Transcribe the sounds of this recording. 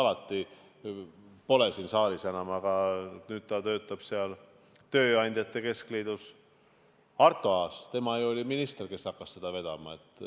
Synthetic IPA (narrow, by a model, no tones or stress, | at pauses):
ɑlɑt̪ˑːi | po̞lesiːnsɑːlisenɑmɑɡ̥ɑnyːd̪̥̚t̪ɑt̪ø̞ːt̪ːˑɑb̥seɑl | t̪ø̞ːɑnʲd̪jɑt̪ːˑe̞ke̞skleːd̪̥us | ɑrt̪ːˑoɑːst̪e̞mɑjuolʲiminist̪e̞rke̞sɑkːɑssed̪̥ɑve̞d̪̥ɑ̰mɑe̞t̪ːˑ